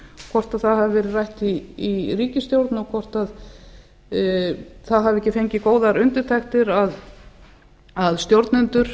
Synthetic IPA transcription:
kʰvɔr̥t̪aðθaðhavɪvɛːɾɪðrajht̪iːriːcɪst̪jowɾt̪nɔkʰvɔr̥t̪að | θaðɦavɛhcːɪfejɲcɪkoːwðaɾʏnt̪ɪɾ̥t̪ʰajxt̪ɪɾað | aðst̪jowɾt̪nʏnt̪ʏɾ̥

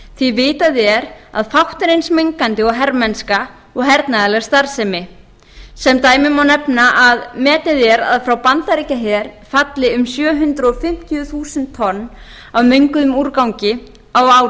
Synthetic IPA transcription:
θvivɪːt̪aðɛɾa̰ðfawht̪ʏɾejnsmeŋkant̪ɪɔɣɦɛɾmɛnska | ɔɣɦɛɾt̪naðalɛɣ̥st̪aɾ̥sɛmɪ | sɛmt̪aːjmɪmawnɛpnaʔaðmɛːt̪nɪðɛɾa̰ðfɾawpant̪aɾicaɦɛːðɛɾ̥ | fat̪lɪʏmsjœːɦʏnt̪ɾɔfɪm̥t̪ʰjʏθuːsɛnt̪ʰːɔnː | awmʏŋkʏðʏmuɾkawŋcɪ | awaːwɾ

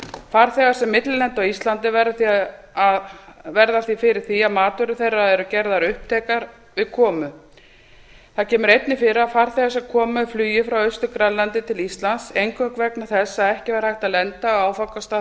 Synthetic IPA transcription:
faɾ̥θɛːɣaɾ̥sɛmːɪt̪lɪlɛnt̪ɔist̪lant̪ɪvɛɾaθi | avɛɾðaθifɪɾɪɾ̥θiaðmaːt̪ʏɾʏθejrːaðɛɾʏcɛɾðaɾʏhp̚t̪ʰɛːkaɾ | vɪðkʰɔːmʏ | θaðcʰɛːmʏɾejt̪nɪfɪɾɪafaɾ̥θɛːɣasɛmkʰɔːmaflyːjɪfɾawœɥst̪ʏkɾallːant̪ɪt̪ʰɪlist̪lansejŋkœkvɛknḁθɛsːaːðɛhcɪvɛɾahajht̪alɛnt̪aɔaːwfawkast̪a

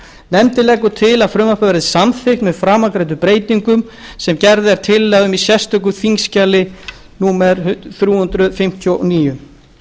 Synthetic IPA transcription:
nɛmt̪ɪlɛːkʏt̪ʰɪlaðfɾʏːmapavɛɾðɪsanθɪkt̪mɛðfɾaːmakɾejt̪̬ʏpɾeːjt̪iŋkʏm | sɛmcɛɾðɪɛɾt̪ʰɪlːaðʏmisjɛst̪œkʏθiŋscalɪ | nuːmɛɾθɾjuːhʏnt̪ɾʏfɪm̥t̪ʰjoʔniːjʏ

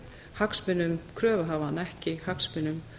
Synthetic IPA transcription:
haksmɪnːʏmkʰɾœːvaɦaːvanɛhcɪhakspɪnːʏm

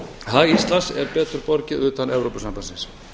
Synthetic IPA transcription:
haist̪lansɛɾpɛːt̪ʏɾ̥pɔɾcɪðʏːt̪anʔɛvɾowpasampansɪns

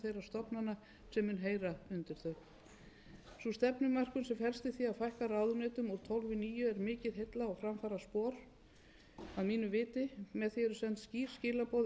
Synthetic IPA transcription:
θejrḁst̪ɔpnana | sɛmːʏnɦeːjɾaʏnt̪ɪɾ̥θœɥ | sust̪ɛpnʏmːar̥kʏnsɛmfɛl̥st̪ɪ̥θiaðfajhkarawðʏnɛːt̪ʏmuɾ̥t̪ʰɔwlvɪniːjʏɛɾmɪːcɪðɦejt̪laawfɾamfaːɾaspɔːɾ̥ | aðmiːnʏvɪːt̪ɪmɛðθiɛɾʏsɛnt̪sciːr̥scɪːlapɔwð

